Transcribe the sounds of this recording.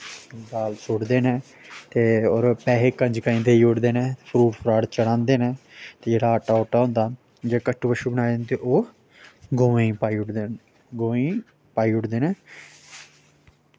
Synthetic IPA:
baːlsʊɽd̪eːnẽː | t̪eːoːɾpɛːɦeːkəɲd͡ʒkəĩːd̪eːiːʊʈd̪eːnẽːepʰɾuːʈpʰɾaːɽt͡ʃəɽãːnd̪eːnẽːt̪eːd͡ʒeːɽaːaːʈaːoːʈaːɦõːnd̪aː | d͡ʒeːkəʈːbəʃuːbənaːd̪ent̪eʔoː | ɡoːʋẽiːpaːiːʊʈd̪eːn | ɡoːĩː | paːiːʊʈd̪eːnẽː

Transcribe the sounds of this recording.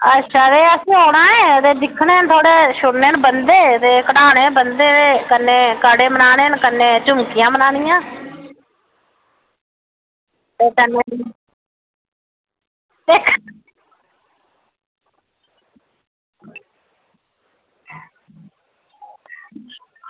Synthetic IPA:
ətːʃʰaːt̪eːəsĩːɦoːɽãːẽːət̪eːd̪ɪkʰːneːənt̪ʰoːɽeːʃʊɽneːnbənd̪eːt̪eːkəɽaːɽeːbənd̪eːt̪eːkənːeːkəɽeːmənaːɽeːnkənːeːt͡ʃʊmkɪjãːmənaːnɪjãː | t̪eːkənːe | d̪eːkʰ

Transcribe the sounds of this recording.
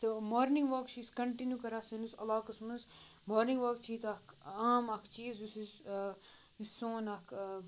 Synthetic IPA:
t̪ɨmoːɾniŋɡʋɐːkt͡ʃʰiːskɐɳʈinjukɐɾaːsɐnusɐlaːkɐsmɐs | moːɾniŋɡʋaːk̚t͡ʃʰiːt̪ɐk | aːmɐkʰt͡ʃiːzusiz | isõːnɐkʰ

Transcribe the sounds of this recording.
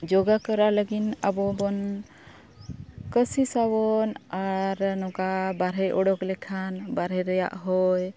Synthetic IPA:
d͡ʒɔɡakəɾaləɡinabɔbɔn | kəsisawɔnaɾnɔkabaɾɛʔɔɽɔklɛkʰanbaɾɛɾəja̰ʔɦɔj

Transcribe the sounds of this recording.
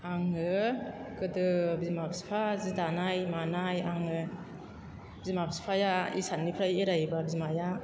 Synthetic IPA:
aŋɯkɯdɯbizmabsi̥pʰazidanajmanajaŋɯ | bizmabsi̥pʰajaḭsanːipʰɾajeɾajbabizmaja

